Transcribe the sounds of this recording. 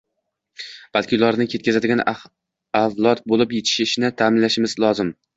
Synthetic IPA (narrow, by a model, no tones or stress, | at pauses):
b̥alˠkʲɪʊlˠaɾnɪkʲʰe̞t̪kʲʰazad̪ɪɡʲan | avlˠɒt̪̚bolɪpjet̪ʰɪ̥ʃɪʃnɪt̪ʰaːmɪnlaʃɪmɪzlˠɒzɪm